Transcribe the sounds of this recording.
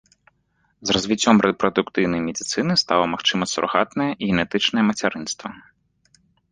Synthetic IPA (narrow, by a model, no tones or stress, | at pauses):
zrɔzvʲit͡sʲːɔmrɛpɾɔd̪ʊkt̪ɨwnɐjmʲedʲit̪sɨnɨst̪alˠɐmaxt͡ʃɨmɐsɾɔ̰ɣat̪nɛjɛiɣʲɛnɛt̪ɨt͡ʃnɛjɛmɐtʲɛɾɨnst̪ʋɐ